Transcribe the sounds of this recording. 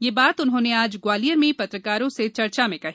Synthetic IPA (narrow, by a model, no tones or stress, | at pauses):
jeːbaːt̪ʊnɦõːneaːd͡ʒɡwaːlijəɾmẽpɐt̪ɾəkaːɾõset͡ʃɐɾt͡ʃamẽkɐɦiː